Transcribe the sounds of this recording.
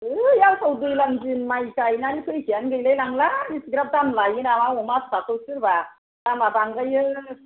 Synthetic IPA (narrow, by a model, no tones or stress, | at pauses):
ɯjawsʰɔwdɯjlamzɯnmajkajnanikʰɯjkʰianɡɯjlalaŋlaisɡɾap̚damlajɯnamawɔmasʰḁpʰatowsɯɾba | damabaŋɡajɯ